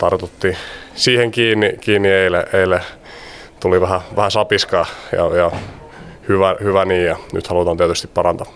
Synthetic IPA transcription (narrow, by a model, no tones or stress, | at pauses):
t̪ɑrt̪ot̪ːiːsiːheŋkiːnːikiːnːieileʔeilæ | t̪uliʋæhæʋæhæsɑpiskɑjɑ̰jɑ | hyʋæhyʋæniːjjɑny̰t̪hɑlut̪ɑːnt̪iæt̪yst̪ippɑɾɑnt̪ɑ